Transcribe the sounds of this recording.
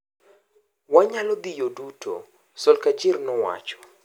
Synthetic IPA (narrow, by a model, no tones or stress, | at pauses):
waɲalɔd̪ijodutʰo̰ | sɔlkad͡ʒɪrnɔwa̰t͡ʃɔ̥